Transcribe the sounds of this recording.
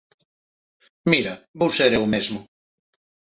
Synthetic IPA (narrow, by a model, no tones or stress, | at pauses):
miɾabowseɾewmezmʊ